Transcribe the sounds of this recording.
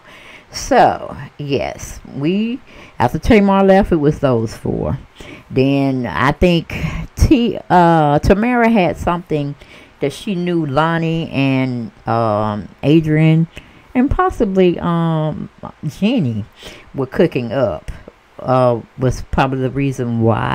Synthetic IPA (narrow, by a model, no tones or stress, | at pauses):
soʊjɛ̰swiʔæ̰ftətʰẽɪ̃məəlɛfɨt̚wʌzðoʊz̥fə̰˞ðɨ̃na̰ɪθɪ̃ŋktʰiʌtʰɨmɛɹɨɨd̥sʌ̃mθɪ̃ŋðɨtʃinjulɑniʔɨ̃nʌ̃mʔeɪdɹɨ̃n | ɨ̃npʰɑsəbliʔʌ̃md͡ʒɪniwə˞kʰʊkɪ̃ŋʌp | ʌwʌz̥pʰɹ̥ɑbəbliðəɹizɨ̃nwa̰ɪ